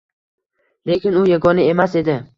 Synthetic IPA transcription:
le̞kʲɪnʊjaɡɒnɪe̞mase̞d̪ɪ

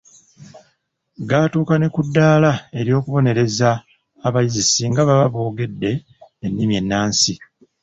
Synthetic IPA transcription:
ɡaːtuːkanekudːaːlae̞ɾjo̞ːkuβo̞ne̞ɾe̞zaː | βajizisiːŋɡaβaβaβo̞ːɡe̞dːe̞ː | nːimje̞nːaːnsi

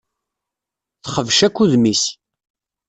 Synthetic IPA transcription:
θχəvʃækʷːuðmis

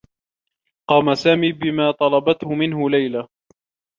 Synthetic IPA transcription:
qɑːmasaːmiːbɪmaːt̪ˤɑlɑbɑt̪hʊmɪnɦʊlajla

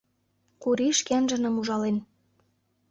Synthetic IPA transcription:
kuɾiʃkænʒə̆nɤ̆muʒɑlen

